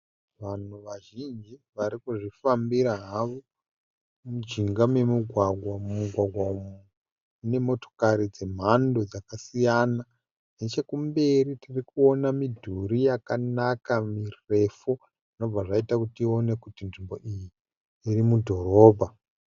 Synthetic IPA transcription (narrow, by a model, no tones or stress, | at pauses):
ʋan̤uʋaʒind͡ʒiʋaɾikuʐifambiɾaɦaʋo | mud͡ʒiŋɡamwe̞muɡʱwaɡʱwamuɡʱwaɡʱwamu | une̞mo̞to̞̥kaɾid͡ze̞m̤ando̞d͡zakasijana | net͡ʃekumbe̞ɾitirikuo̞namidʱuɾijakanakamire̞fu | ʐino̞b͡vaʐaitakutio̞ne̞kutinʐimbo̞ʔijiː | rimudʱo̞ɾo̞ːbʱa